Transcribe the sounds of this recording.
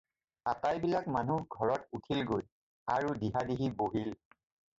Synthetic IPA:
atajbilakmanuɡʱɔɹɔtutʰilɡoj | aɹudiɦadiɦiboɦil

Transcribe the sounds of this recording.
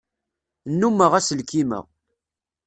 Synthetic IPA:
nːumːəʁæsəlkimə̰ʁ

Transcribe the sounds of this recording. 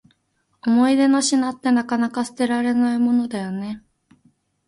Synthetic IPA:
o̞mo̞id̪e̞noɕinat̪ːe̞nakanakasɨ̥t̪e̞ɾaɾe̞naimo̞nod̪ajo̞ne̞

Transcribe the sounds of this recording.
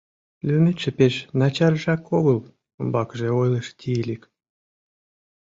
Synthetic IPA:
lʲymʲeʃĕpeʃnɑt͡ɕɑrʒɑkoɣɤ̆lˠ | ɤmbɑkʒeojlˠɤʃt̪ʲilʲik

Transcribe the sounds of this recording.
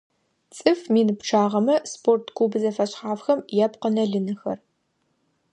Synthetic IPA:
t͡sʼɨfmiːnɨpʈ͡ʂʰaːʁɐmɐspʰoːrtʰkʰuːbɨzɐfɐɕχaːfxɐmjɛpqənɐɮɨnɨxɐ̰r

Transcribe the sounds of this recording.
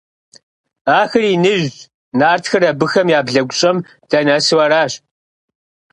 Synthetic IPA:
aːxɨriːnɨʑ | naːrtxɨrɐbɨxɐmjaːbɮɐɡʷʊɕʼɐm | d̥ɐnɐsɨwɐɾaːɕ

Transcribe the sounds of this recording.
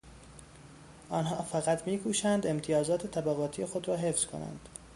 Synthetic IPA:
ʔɒːnhɒːfæɣæt̪ʰmiːkʰuːʃænd̪e̞mt̪ʰijɒːzɒːt̪ʰet̪ʰæbæɣɒːt̪ʰiːje̞xo̞d̪ɾɒːɦefz̥kʰo̰næ̰nd̪̥

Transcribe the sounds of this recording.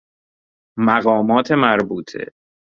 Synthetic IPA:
mæɣɒːmɒːt̪ʰemæɾbuːt̪ʰḛ

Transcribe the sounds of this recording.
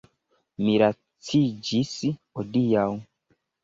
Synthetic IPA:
miɾa | t͡sid͡ʒishodijaw

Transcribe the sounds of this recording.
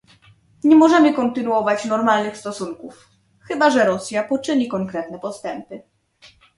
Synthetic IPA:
ɲɛmɔʐɛmɘkɔnt̪ɘnuɔvat͡ɕnɔɾmalnɘxst̪ɔsuŋkuf | xɘbaʐɛɾɔsʲjapɔt͡ʂɘɲikɔŋkɾɛt̪nɛpɔst̪ɛmpɘ

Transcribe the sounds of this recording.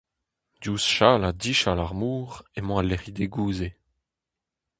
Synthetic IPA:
d̪juːsʃaːladiʃalaʁmuːʁemɑ̃alːeʁid̪eɡuːze

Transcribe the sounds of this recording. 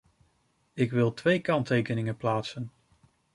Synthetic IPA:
ɪkʋɪlˠtʋejkɑntejkənɪŋəplaːtsən

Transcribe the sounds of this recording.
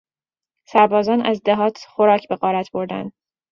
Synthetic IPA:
sæɾbɒːzɒːnæzd̪eɦɒːt̪ʰχoɾɒːcʰbe̞ɣɒːɾæt̪ʰb̥o̞ɾd̪æ̰nd̪

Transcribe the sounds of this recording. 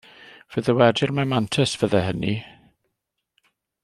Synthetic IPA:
v̥əðəwɛdɪrmamantʰəsv̥əðɛɦəni

